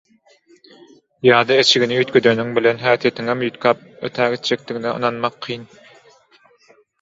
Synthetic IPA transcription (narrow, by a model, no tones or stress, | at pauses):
jɑːd̪ɑet͡ʃʰiɡʲiniyt̪kʰʲød̪ønyŋbilenɦæːt̪ʰijet̪ʰiŋemjyt̪kʰɑp̚øt̪ʰæːɡʲet̪d͡ʒek̚t̪iɡinɛɯ̰nɑnmɑqʰːijn